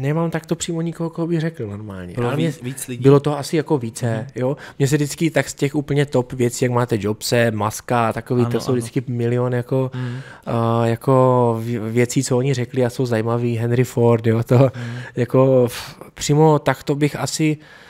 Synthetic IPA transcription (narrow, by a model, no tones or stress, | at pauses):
nɛmamt̪akt̪o̞pr̝̥iːmoɲɪkoɦokoɦobɪɣrɛklɪnoɾmaːlɲɛ̰ʔɪit͡sbɪlot̪oɦoasɪjako̞viːt͡sɛjomɲɛs̬ɛdɪt͡skɪt̪akscɛxʔuːpl̩ɲɛt̪opvjɛt͡siːjakmaːt̪ɛd͡ʒopsɛmaskaːt̪akoviːosowdɪt͡skɪmɪlɪonjako̞ | jako̞vjɛt͡siːt͡sooɲɪrɛklɪaso̞wzajimaviːɦɛnɾɪfoɾt̪jot̪ojako̞pr̝̥iːmo̞t̪akt̪obɪxʔasɪ